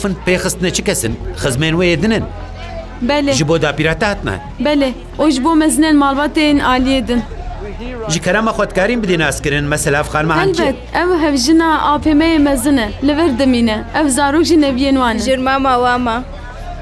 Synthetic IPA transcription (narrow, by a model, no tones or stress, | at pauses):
fɨnd̪̚peːxɨst̪ɨnɛt͡ʃʰɨkʰɛsɨnxɨzmeːnweeːd̪ɨnɨn | bɛleːʒɨboːd̪aːpiːɾaːt̪ɛhaːt̪ɨnɛ̰ | bɛleː | ʔoːʒɨboːmɛzɨneːnmɑːlbɑːt̪enʔɑːlijeːd̪ɨn | ʒɨkʰɛɾamaːxʷɛt̪kaːɾiːnbɨd̪eːnaːskɨɾɨnmɛsɛlaafxɑːnmahalbɛt̪̚ɛwɦɛvʒɨnɑːʔɑːpeːmɛjeːmɛzɨnɛlɨvɛɾd̪ɨmiːnɛʔɛwzɑːɾoːkʒɨnɛvijeːnwɑːnɛʒɪɾmaːmaːwɑːmɑ